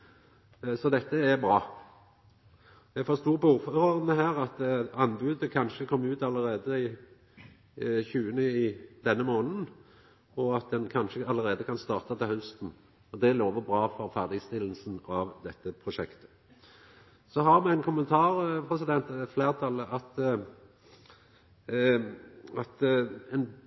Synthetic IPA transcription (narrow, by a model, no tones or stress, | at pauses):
sɔd̪ɛt̪ːəæbɾɑː | j̪æfɔʁst̪uːʁpɔuːʁføøːʁəʁənəɦæːʁɑt̪ɑnbʉːd̪əkʰɑnʃəkʰɔmːʉːt̪ɑlːəʁeːd̪əɪ | çʉːənəɪd̪ɛnːəmoːnn̩ | ɔɑt̪̚d̪ɛnkʰɑnʃəɑləʁeːd̪əkʰɑnst̪ɑːʁt̪ɑt̪ʰɪlhœst̪n̩ | ɔd̪ɛloːʋəbʁɑːfɔʁfæʁd̪ɪɡst̪ɪlːən̩sn̩ɑʋd̪ɛt̪ːəpʰʁʊʂɛkt̪ə̥ | sɔɦɑʁmɛæɪnkʰʊmənt̪ʰɑːʁpʰʁɛsɪd̪ɛnt̪fleːʁt̪ʰɑləʔɑt̪ | ɑt̪ɛn